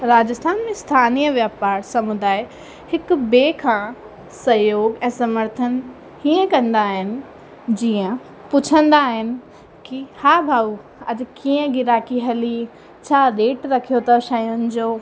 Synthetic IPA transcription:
ɾaːd͡ʑəst̪ʰaːnmẽst̪ʰaːniːjəʋjaːpaːɾsɐmʊd̪aːɪ | hɪkʊ̆beːkʰãː | sɐjoːɡɛ̃ːsɐməɾt̪ʰən | hiə̃kɐ̃nd̪aːɦɪnɪ̆ | d͡ʑiːə̃ | pʊt͡ɕʰə̃nd̪aːɦɪnɪ̆ | kihaːbʱaːu | ɐdkiːə̃ɡɪɾaːkiɦɐli | t͡ɕʰaːɾeːʈɾɐkʰijot̪ɐʃɐjʊnɪ̆d͡ʑoː

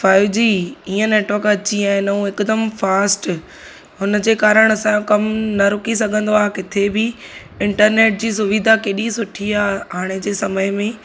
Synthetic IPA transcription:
faːɪʋd͡ʑiːiːə̃neːʈʋəkɐt͡ɕiãːɪ̃nɐũɪkd̪əmfaːsʈ | ɦʊnəd͡ʑeːkaːɾəɽ̃ɐsãkɐmnɐɾʊkisɐɡʱə̃nd̪oaːkɪt̪ʰebʱɪ | ɪ̃ɳʈəɾneːʈ̚d͡ʑiːs̬ʊʋid̪ʱakeɗĩsʊʈʰiaːaːɽ̃ed͡ʑeːsɐməɪmẽ

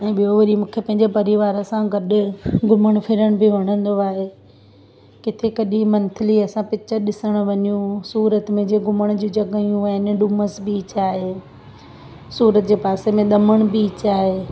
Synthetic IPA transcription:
ɛ̃ːɓijoʋɐɾimũːkʰepɐ̃ɦɪ̃ɲd͡ʑepɐɾiʋaːɾəsãɡɐɗʊ̆ɡʱʊməɽ̃pʰɪɾəɽ̃biʋɐɽ̃ə̃nd̪oaːɦeː | kɪt̪ʰekɐɗimɐ̃nt̪ʰɪliɐsãpɪt͡ɕəɗɪsəɽ̃ʋɐɲijũsuːɾət̪mẽd͡ʑeːɡʱʊməɽ̃ʊd͡ʑũd͡ʑɐɡəijũɛ̃nɗʊməsbiːt͡ɕaːɦeː | suːɾət̪d͡ʑeːpaːsemẽɗ̪ɐməɽ̃biːt͡ɕaːɦeː

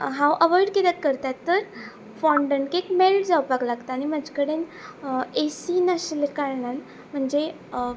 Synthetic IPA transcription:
ɦãwʔəʋɔjɖket̪at̪̚kəɾt̪at̪ːəɾ | fɔɳɖəɳɖkekmeld͡zawpaɡlaɡt̪aːniməd͡ʑkəɽen | esinaɕlkaɾɳan | m̤əɳd͡ze

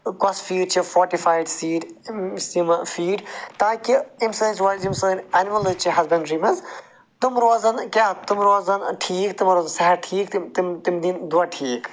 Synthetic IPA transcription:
kɔsfiːɖt͡ʃʰifɔːɾʈifaːjɖsiːɖsimfiːɖt̪ãːkiimsəːnt͡ʃʋaːzimsəːnaːnimɐlɨt͡ʃʰiɦɐzbɐ̃nɖɾiːmɐz | t̪umɾoːzɐnkʲaːt̪umɾoːzɐnʈʰiːkt̪imɾoːzɐnsɐɦɐɾʈʰiːk̪t̪imt̪imd̪ind̪uʋaʈʰiːk

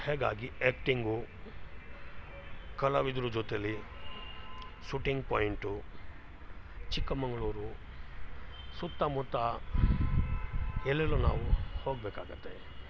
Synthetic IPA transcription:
hɛːɡa̰ːɡieːkʈiŋɡu | kɐlɐʋid̪ɾud͡ʒot̪eli | ʃuʈiŋɡpoːjiɳʈu | t͡ʃikːɐmɐŋɡɐɭuːɾu | sut̪ːɐmut̪ːɐ | ɛlːelːuna̰ːʋuhoːɡbeːkaːɡut̪ːḛ

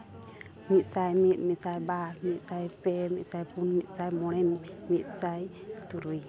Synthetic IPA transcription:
mit̪̚sajmit̪̚misajbamit̪̚sajpemiʔ̚sajpʰunmit̪̚sajmoɾemmisajt̪uɾu

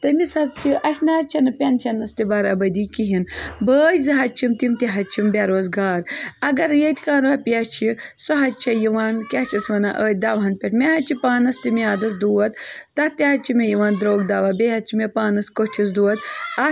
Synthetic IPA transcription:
t̪ɐmisɐzt͡ʃʰiʔɐsʲnaːt͡ʃʰɐnɨpʲɐnt͡ʃʰɐnːɐst̪ibɐːɾaːbɐd̪iːkiɦinbəːjzɨɦɐt͡ʃʰimt̪imt̪iɦɐt͡ʃʰimbʲaɾoːzɡaːɾɐɡɐɾjɐt̪ʰʲikaːnʋɐpiɐt͡ʃʰisoɦɐt͡ʃʰɐjiʋaːnkʲɐt͡ʃʰɐsʋɐnaʔəːt̪̚ʲd̪aːʋɦɐnpʲɐt̪mʲeɦɐt͡ʃʰipaːnɐst̪imiaːd̪ɐs̬d̪uːɐt̪ːɐtt̪iɦɐt͡ʃʰimejiʋaːnd̪ɾoːɡd̪aːʋabeɦɐt͡ʃʰimepaːnɐskot͡ʃʰis̬d̪uːɐt̪ɐ

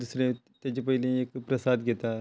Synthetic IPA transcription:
d̪usɾẽ | t̪ed͡ʒep̬əilẽeːkpɾɐsaːd̪ɡet̪a

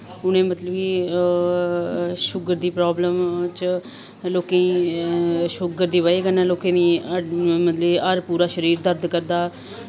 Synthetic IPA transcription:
ʊnẽːmət̪ləbiː | ʃʊɡəɾd̪iːpɾoːbləmt͡ʃ | loːkẽ | ʃʊɡəɾd̪iːʋaːeːkənãːloːkẽːd̪iː | mət̪ləiːəɾpuːɾaːʃəɾiːɾd̪əɾd̪kəɾd̪aː

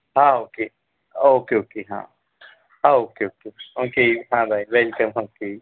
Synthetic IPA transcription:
hãoke | okeokeɦã̰ | hãokeokeokeɦãbaiwelkəmɦãke

